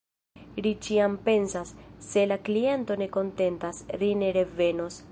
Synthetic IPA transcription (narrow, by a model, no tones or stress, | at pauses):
lit͡ʃiampe̞nsasːe̞laklie̞nto̞ne̞ko̞nte̞ntasline̞ɾe̞ve̞no̞s